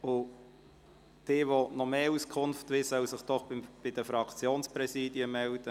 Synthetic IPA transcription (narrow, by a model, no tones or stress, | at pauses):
ʊ | d̪̥ɪːʋonɔmeːuskʰʊnft̪ʋɪsœwsɪχd̥ɔχb̥ɪd̥̪əfɾɑkt͡sjoːnspɾɛsiːdiəmɛld̪̥ə